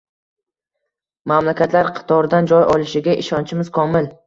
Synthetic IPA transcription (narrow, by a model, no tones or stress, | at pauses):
mamlakʲʰat̪ʰlaɾqʰɨ̥t̪ʰɒɾd̪and͡ʒɒjʔɒlˠɪʃɪɡʲaʔɪʃɒnt͡ʃʰɪmɪz̥kʰɒmɪl